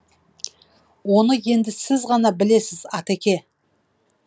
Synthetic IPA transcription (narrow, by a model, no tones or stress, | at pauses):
wo̞nəje̞nd̪ɪsɪzʁɑnɑbɪle̞sɪzɑt̪ækʲe̞